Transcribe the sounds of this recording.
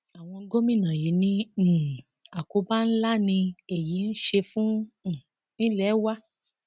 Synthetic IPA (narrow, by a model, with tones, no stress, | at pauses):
a˨w̃ɔ̃˧˦˧ɡo˦mĩ˦˨nã˨ji˨˦nĩ˧˨ | a˨ko˧˦ba˦n̩˦la˦nĩ˧e˨ji˨˦n̩˦ʃe˧fũ˦˨ | nĩ˦lɛ˦wa˦